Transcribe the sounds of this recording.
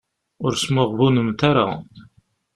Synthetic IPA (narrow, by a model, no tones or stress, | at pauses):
ʊɾsmʊʁvunəmt̪aɾa̰